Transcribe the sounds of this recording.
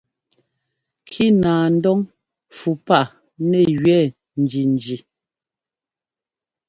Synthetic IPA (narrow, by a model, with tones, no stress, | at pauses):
kʰi˦naː˨n̩˦dɔ˦ŋ | fu˨pa˦˨ | nɛ˨ɣɥɛ˦˨ | n̩˨d͡ʒi˨n˨d͡ʒi˨